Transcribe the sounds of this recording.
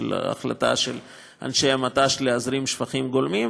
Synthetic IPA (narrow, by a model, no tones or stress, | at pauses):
la̰χla̰t̪a̰ʃel | a̰nʃejamat̪aʃleazɾimʃfaχimɡolmim